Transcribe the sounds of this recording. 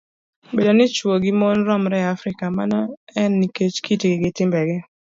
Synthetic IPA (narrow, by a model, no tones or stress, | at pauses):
bedonɪt͡ʃwoɡɪmɔnɾɔmɾɛafɾɪkamanɔɛnːiket͡ʃkitiɡɪɡɪtɪmbɛɡɛ